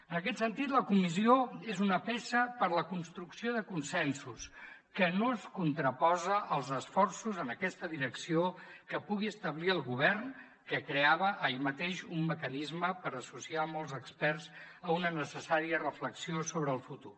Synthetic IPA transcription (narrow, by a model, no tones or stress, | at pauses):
ənəkɛt̪sənt̪it̪ləkumizioezunəpesəpəɾləkunst̪ɾuksioðəkunsɛnsuskənoəskunt̪ɾəpɔzəʔəlˠzəsfɔrsuzənəkɛst̪əðiɾəksiokəpuɣiəst̪əβliəlˠɣuβ̞ɛrn | kəkɾeaβəʔəimət̪eʃumːəkənizməpəɾəsusiamɔlˠzəkspɛrz | əunənəsəsaɾiərəfləksiosoβɾəːlˠfut̪ur